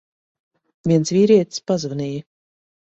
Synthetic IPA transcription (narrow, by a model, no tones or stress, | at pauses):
vʲiɛnsvʲiːɾʲiɛt̪spazvanʲiji